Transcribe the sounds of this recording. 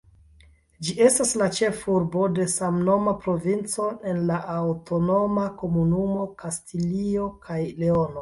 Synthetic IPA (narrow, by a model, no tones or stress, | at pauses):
d͡ʒie̞staslat͡ʃe̞fuɾbo̞de̞samno̞mapɾo̞vint͡so̞ʔe̞nlaʔawto̞no̞mako̞munumo̞kastilio̞kʰajle̞o̞no̞